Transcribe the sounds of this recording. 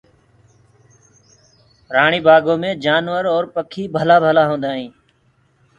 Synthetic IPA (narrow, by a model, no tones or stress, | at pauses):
ɾaːɳiːbʱaːɡõːmẽːd͡ʒaːnʋəɾɔːɾpəkʰiːbʱəlaːbʱəlaːɦõːnd̪aːɦĩː